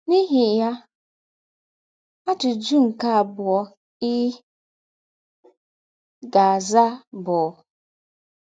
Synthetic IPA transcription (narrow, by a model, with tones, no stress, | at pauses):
ni˦ɦɪ˨ja˦ | a˦tʊ˨d͡ʒu˦ŋ̩˨ka˦a˨bʊ˨ɔ˦ | ɪ˦ | ɡa˨a˨za˦bʊ˨˦